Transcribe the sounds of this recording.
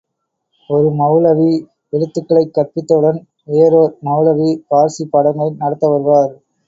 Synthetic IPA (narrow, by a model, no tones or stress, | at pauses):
ɔɾɯmɐʋɯɭɐʋi | ɛɻɯt̪ːɯkːɐɭɐɪkːɐpːɪt̪ːɐɯɽɐn | eːɾomɐʋɯlɐʋipaːɾsipːɐɽɐŋɡɐɪnɐɽɐt̪ːɐʋɐɾɯʋaːɾ